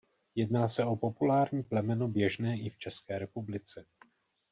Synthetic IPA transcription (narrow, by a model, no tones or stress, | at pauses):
jɛdnaːsɛo̞po̞pulaːɾɲiːplɛmɛnobjɛʒnɛːʔɪft͡ʃɛskɛːɾɛpublɪt͡sɛ